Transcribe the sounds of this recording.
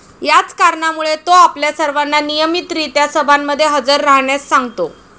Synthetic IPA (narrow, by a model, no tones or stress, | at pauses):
jat͡skaɾɳamuɭet̪oapljasəɾʋanːanijəmit̪ɾit̪jasəbʱamːəd̪ʱːjeɦəd͡zəɾːaɦɳjasːaŋɡt̪o